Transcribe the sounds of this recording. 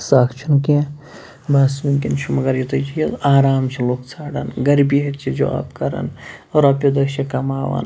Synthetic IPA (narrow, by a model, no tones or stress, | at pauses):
saːkt͡ʃʰinke | baːsjumkʲint͡ʃʰumɐɡɐɾjit̪ɐt͡ʃʰiɐaːɾaːmt͡ʃʰilokt͡sʰaːɽɐnɡɐɾbiɦɐt̪t͡ʃʰid͡ʒo̰ɐ̰ːpkɐɾɐ̰nɾɐpod̪ɐkt͡ʃʰikɐmaːʋɐ̰n